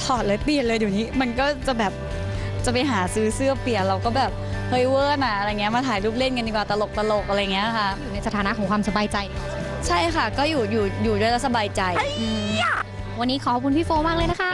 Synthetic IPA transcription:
t̪ʰɔː˨˩t̪̚lɤː˨˧˥pli˨˩ən̚lɤː˧juː˨˩niː˦˥ma˧nkɔː˥˩t͡ɕa˨˩bɛː˨˩p̚ | t͡ɕa˨˩pa˧jɦaː˩˦sɯː˦˥sɯ˥˩ɐpli˨˩ənɾa˧wkɔː˥˩bɛː˨˩p̚kʰɤː˧jwɤː˥˩nʔa˨˩ʔa˧ɾa˧jŋi˦˥ɐmaː˧t̪ʰaː˩˦jluː˥˩p̚le˥˩nka˧ndiː˨˩kwaː˨˩t̪a˧lo˨˩k̚t̪a˧lo˨˩k̚ʔa˧ɾa˧ja˨ŋi˦˥˧a˦˥˩ʔjuː˨na˧jsa˧t̪ʰaː˨˦na˦˥kʰɔː˩˦ŋkʰwaː˧msa˧baː˧jt͡ɕa˧jdi˧˩a˨˩˧ | t͡ɕʰa˥˩jkʰa˥˩kɔː˥˩juː˨˩juː˨˩juː˨˩du˥˩əjla˦˥t̪̚sa˧baː˧jt͡ɕa˧jʔɯː˧ | wa˧nːiː˦˥kʰɔ˨˩kʰɔ˦˩kʰu˧npʰiː˥˩foː˧maː˥k̚lɤː˧jna˦˥kʰa˦˥˩ʔ

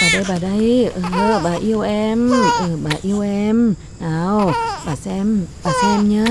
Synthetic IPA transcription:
ɓaː˨˩ɗə˧jɓaː˨˩ɗə˧jʔəː˨˩ɓaː˨˩ʔi˧əwʔɛ˧mʔəː˨˩ɓaː˨˩ʔi˧əwʔɛ˧m | naː˨˧˩wɓaː˨˩sɛ˧mɓaː˨˩sɛ˧ɛ˧mɲəː˨˦

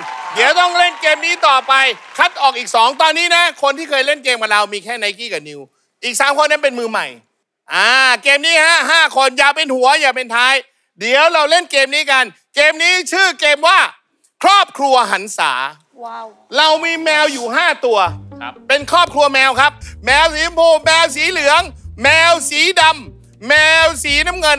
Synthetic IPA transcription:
di˨˩˦əwt̪ɔ˥˩ŋɾe˥˩nkeː˧mniː˦˥t̪ɔː˨˩pa˧jkʰa˦˥t̪̚ʔɔː˨˩k̚ʔiː˨˩k̚sɔː˩˦ŋt̪ɔː˧nːiː˦˥na˦˥kʰo˧nt̪ʰiː˥˩kʰɤː˧jle˥˩nkeː˧mka˨˩ɾa˧wmiː˧kʰɛː˥˩na˦˩jkiː˥˩ka˨˩ni˧w | ʔiː˨˩k̚saː˩˦mkʰo˧nːa˦˥npe˧nmɯː˧ma̰˨˩j | ʔaː˨˧keː˧mniː˦˥haː˥˩ɦaː˥˩kʰo˧njaː˨˩pe˧nhu˩˦ɐjaː˨˩pe˧nt̪ʰaː˦˥j | di˨˩˦əwɾa˧wle˥˩nkeː˧mniː˦˥ka˧n | keː˧mniː˦˥˩t͡ɕʰɯː˥˩keː˧mwaː˥˩ | kʰɾɔː˥˩p̚kʰɾu˧ɐɦa˨˩˦nsa̰ː˩˦ | ɾa˧wmiː˧mɛː˧wjuː˨˩ɦaː˥˩t̪u˧ɐpe˧nkʰɔː˥˩p̚kʰɾu˧ɐmɛː˧wkʰa˦˥p̚mɛː˧wsiː˨˦pʰoː˧˩mɛː˧ws̬iː˨˦lɯ˨˦əŋːɛː˧wsiː˩˦da˧mː | ɛː˧wsiː˨˩˦na˦˥˩mŋɤ˧n

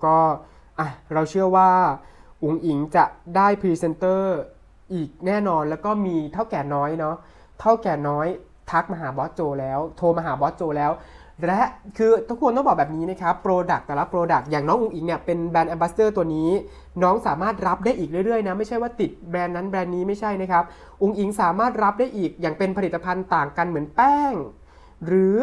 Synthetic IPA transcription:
kɔː˥˩ | ʔa˧˩ɾa˧wt͡ɕʰɯ˥˩əwaː˥˩ʔu˨˩˦ŋʔi˩˦ŋt͡ɕa˨˩daː˥˩jpʰiː˧se˧nt̪ɤː˥˩ | ʔiː˨˩k̚nɛː˥˩nɔː˧nlɛː˦˥wkɔː˥˩miː˧t̪ʰa˥˩wkɛː˨˩nɔː˦˥jnɔ˦˥ | t̪ʰa˥˩wkɛː˨˩nɔː˦˥j | t̪ʰa˦˥k̚ma˧ɦaː˩˦bɔː˦˥t̪̚t͡ɕoː˧lɛː˦˥wt̪ʰoː˧ma˧ɦaː˩˦bɔː˦˥t̪̚t͡ɕoː˧lɛː˦˥w | lɛ˦˥kʰɯː˧t̪ʰu˦˥kʰːu˧t̪ɔ˥˩bɔ˨˩bɛː˨˩p̚niː˦˥na˦˥kʰa˦˥pːɾoː˧da˨˩k̚t̪ɛː˨˩la˦˥pɾoː˧da˨˩k̚jaː˨˩ŋnɔː˦˥ŋʔu˧ŋʔi˧˩ŋni˥˩ɐpe˧nbɛː˧nʔɛ˧mba˦˥st̪ɤː˥˩t̪u˧əniː˦˥ | nɔː˦˥ŋsaː˩˦maː˥˩t̪̚ɾa˦˥p̚daː˥˩jʔiː˨˩k̚ɾɯ˥˩jɾɯ˥˩əjna˦˥ma˥˩jt͡ɕʰa˥˩jwaː˥˩t̪i˨˩t̪̚bɾɛː˧nːa˦˥nbɾɛː˧nːiː˦˥ma˥˩jt͡ɕʰa˥˩jna˦˥kʰa˦˥p̚ | ʔu˧ŋʔi˩ŋsaː˩˦maː˥˩t̪̚ɾa˦˥p̚daː˥˩jʔiː˨˩k̚jaː˨˩ŋpe˧npʰa˧li˨˩t̪ːa˧pʰa˧nt̪aː˨˩ŋka˧nmɯ˩˦ənpɛː˥˩ŋ | ɾɯː˩˦

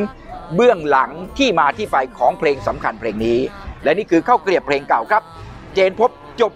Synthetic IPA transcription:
n | bɯ˥˩əŋla˩˦ŋt̪ʰiː˥˩maː˧t̪ʰiː˥˩pa˧jkʰɔː˩˦ŋpʰleː˧ŋsa˩˦mkʰa˧npʰleː˧ŋniː˦˥lɛ˦˥niː˥˩kʰɯː˧kʰaː˥˩wkli˨˩əpʰleː˧ŋka˨˩wkʰɾa˦˥p̚ | t͡ɕeː˧npʰo˦˥p̚t͡ɕo˨˩p̚

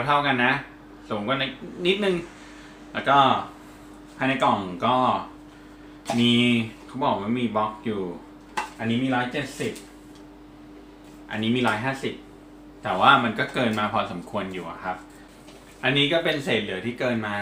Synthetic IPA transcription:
t̪ʰa˥˩wka˧nːa˦˥ | suː˨˩˦ŋkwa˨˧˦na˧˩jni˦˥t̪̚nɯ˨˧ŋ | lɛː˦˥wkɔː˥˩ | pʰaː˧na˧jkɔ˨˩ŋkɔː˥˩ | miː˧kʰa˦˥wbɔː˨˩k̚waː˥˩miː˧bɔ˦˥k̚juː˨˩ | ʔa˧nːiː˦˥miː˧ɾɔː˦˥jt͡ɕe˨˩t̪̚si˨˩p̚ | ʔa̰˧nːiː˦˥miː˧ɾɔː˦˥jɦaː˥˩si˨˩p̚ | t̪ɛː˨˩waː˥˩ma˧nkɔː˥˩kɤː˧nmaː˧pʰɔː˧sa˩˦mkʰu˧ənjuː˨˩ʔa̰˨˩kʰa˦˥p̚ | ʔa˧nːiː˦˥kɔː˥˩pe˧nseː˨˩t̪̚lɯ˩˦t̪ʰiː˥˩kɤː˧nmaː˧

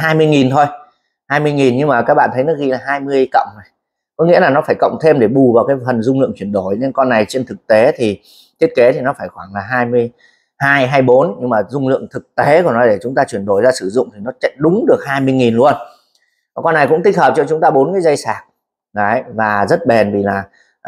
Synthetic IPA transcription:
ɦaː˧jmɨ˧əjŋi˨˩nt̪ʰo˧j | haː˧jmɨ˧əjŋi˨˩nɲɨ˧ŋmaː˨˩kaː˦˥k̚ɓa̰ː˧˨nt̪ʰə˨˦jnɔ˨˦ɣi˧laː˨˩ɦaː˧jmɨ˧əjkə̰˧˨wŋ͡mna˨˩j | kɔ˨˦ŋḭ˧˥əlaː˨˩nɔ˨˦faː˧˩jkə̰˧˨wŋ͡mt̪ʰe˧mɗe˧˩ɓu˨˩vaː˨˩wkaː˨˦jfə˨˩nzʊ˧ŋ͡mlɨ̰˧əŋt͡ɕwi˧˩ənɗo˧˩jne˧nkɔ˧nːa˨˩jt͡ɕe˧nt̪ʰɨ˨˩k̚t̪e˨˦t̪ʰi˨˩ | t̪ʰi˦˥ət̚ke˨˦t̪ʰi˨˩nɔ˨˦faː˧˩jxwaː˧˩ŋlaː˨˩ɦaː˧jmɨ˧əj | haː˧jɦaː˧jɓo˨˦nɲɨ˧ŋmaː˨˩zʊ˧ŋ͡mlɨ̰˧˨əŋt̪ʰɨ˨˩k̚t̪e˨˦kɔ˧˨˩nɔ˨˦ɗe˧˩t͡ɕʊ˨˦ŋ͡mt̪aː˧t͡ɕwi˧˩ənɗo˧˩jzaː˧sɨ˧˩zʊ̰˧˨ŋ͡mt̪ʰi˨˩nɔ˨˦t͡ɕɛ̰˧˨ɗʊ˨˦ŋ͡mɗɨ˨˩ək̚haː˧jmɨ˧əjŋi˨˩nlu˧ən | va˨˩kɔ˧nːa˨˩jkʊ̰˧˥ŋ͡mt̪ï˦˥k̟̚həː˨˩p̚t͡ɕɔ˧t͡ɕʊ˨˦ŋ͡mt̪aː˧ɓo˨˦nkaː˨˦zə˧jsaː˨˩k̚ | ɗə˨˦jvaː˨˩zə˦˥t̚ɓe˨˩nvi˨˩laː˨˩

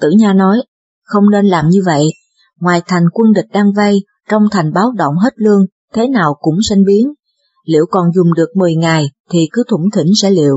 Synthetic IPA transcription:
t̪ɨ̰˧˩ɲaː˧nɔ˨˦j | xə˧wŋ͡mne˧nlaː˨˩mɲɨ˧və̰˧˨jʔ | ŋwaː˨˩jt̪ʰa˨˩jŋ̟kwə˧nɗï˨˩k̟̚ɗaː˧ŋvə˧j | t͡ɕɔ˧wŋ͡mt̪ʰa˨˩jŋ̟ɓaː˨˦wɗə̰˧˨wŋ͡mɦe˦˥t̚lɨ˧əŋ | t̪ʰe˨˦naː˨˩wkʊ̰˧˥ŋ͡msa˧ŋ̟ɓi˨˦ən | lḭ˧˨əwkɔ˨˩nzʊ˨˩ŋ͡mɗɨ˨˩ək̚mɨ˨˩əjŋaː˨˩jt̪ʰi˨˩kɨ˨˦t̪ʰʊ˧˩ŋ͡mt̪ʰi˧˩ŋ̟sɛ̰˧˥lḭ˧˨əw

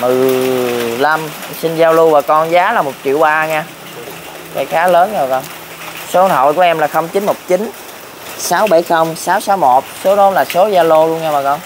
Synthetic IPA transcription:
mɨ˨˩j | la˧msi˧nzaː˧wlu˧vaː˨˩kɔ˧nzaː˨˦laː˨˩mo˨˩t̚t͡ɕḭ˧˨əwɓaː˧ŋɛː˧ | ka̰˧˩jxaː˨˦ləː˨˦nzo˨˩jkɔ˧˩n | so˨˦˨nt̪ʰɔ̰˧˨jku˧˩ʔɛ˧mlaː˨˩xə˧wŋ͡mt͡ɕi˨˦nmo˨˩t̚t͡ɕi˨˦n | saː˨˦wɓa˧˩jxə˧wŋ͡msaː˨˦wsaː˨˦wmo˨˩t̚so˨˦nɔ˨˦laː˨˩so˨˦zaː˧lo˧lu˧ənŋɛː˧maː˨˩ɔ˧˩n

